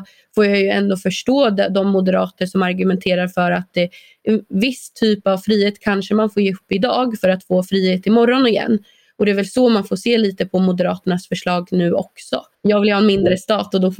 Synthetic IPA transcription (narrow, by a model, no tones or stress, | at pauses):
foːɾjajɵɛnd̪oːfœʂʈoːd̪d̪ɔmːʊd̪əɾɑːt̪əʂɔmaɾɡɵmɛnt̪ʰeːɾaɾfœɾat̪ɛ | vɪst̪ʰyːpavfɾiːheːt̪kʰanʂəmanfoːɾjeːɵpːɪd̪ɑːɡfœɾat̪foːfɾiːheːt̪ɪmɔɾːɔnɪjɛ̰nː | ɔd̪ɛævɛlsɔmanfoːseːliːt̪əpʰɔmʊd̪əɾɑ̰ːt̪əɳasfœʂɭɑːɡnʉ̟ːʔɔ̰ksɔ̰ | jɑːɡvɪljhɑːɛnmɪnd̪ɾəst̪ɑːt̪ɔd̪ɔ